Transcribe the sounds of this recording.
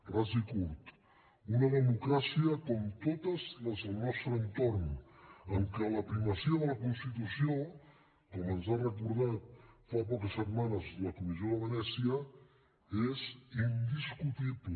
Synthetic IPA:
razikult̪ | unəðəmukɾasiəkɔmt̪ot̪əzləzəlˠnɔst̪ɾəənt̪ornəŋkələpɾiməsiəðələkunst̪it̪usio | kɔmənzarəkuɾð̞at̪̚fapɔkəsːət̪manəzləkumizioðəβənɛsiə | ezind̪iskut̪iβlə

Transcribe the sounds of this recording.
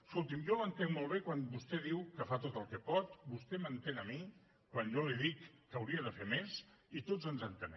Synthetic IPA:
əskolˠt̪̬imjɔmənt̪eŋmolˠβekwanbust̪ɛðiwkəfat̪ot̪əlˠkɛpɔt̪bust̪ɛmənt̪eŋəmi | kwanʒoliðikːəwɾiəðəfemesit̪od͡zənzənt̪ənɛ̰

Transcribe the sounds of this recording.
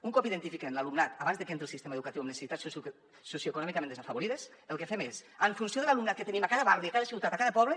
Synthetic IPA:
uŋkɔpiðent̪ifikenlalumnat̪aβanzðekent̪elˠsist̪emeðukat̪iwamnesesit̪ats | sosjokunɔmikamend̪esafaβoɾiðes | elˠkefemesəɱfunsijoðelalumnat̪̚ket̪enĩmakaðaβaɾðjakaðasiwt̪at̪akaðəpɔβle

